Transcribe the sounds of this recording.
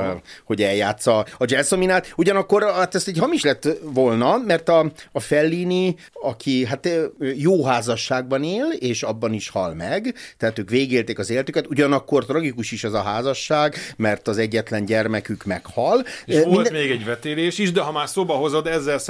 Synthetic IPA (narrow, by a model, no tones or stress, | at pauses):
ho̞ɟɛljaːt̪sːɒɒd͡ʒɛsominaːt̪uɟɒnɒkːo̞ɾat̪ɛst̪ɛcɦɒmiʃlɛt̪ːʋolnɒmɛrt̪ɒːfɛlːiːni | ɒkʰiɦat̪ːjoːɦaːzɒʃːaːɡ̚bɒneːleːʃɒbːɒniʃhɒlmɛɡt̪ɛat̪øːkʋeːɡeːlt̪eːkɒzeːlɛt̪ykɛt̪uɟɒnɒkːo̞rt̪rɒɡikuʃiʃɛzɒɦaːzɒʃːaːɡmɛrt̪ɒzɛɟːɛt̪lɛɲɟɛrmɛkykmɛkhɒloilt̪d̪meːɡɛɟvɛt̪eːleːʃiʒd̪ɛɦɒmaːrsoːbɒɦo̞zod̪ɛzːɛls